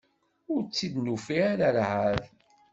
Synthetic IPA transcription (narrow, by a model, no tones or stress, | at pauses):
ʊɾt͡sːid̪nufiaɾaɾʕað